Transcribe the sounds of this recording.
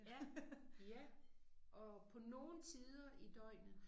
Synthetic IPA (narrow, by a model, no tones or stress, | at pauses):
jæʔɒ̽pʰɒ̽no̝ːn̩t͡sʰiːð̞ˠɐʔid̥ɒɪ̰n̩